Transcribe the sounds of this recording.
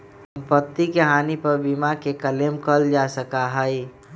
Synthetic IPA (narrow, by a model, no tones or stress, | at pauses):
əmpət̪ːikeɦaːnipəɾbimakekəlemkəld͡ʒasəkaɦəi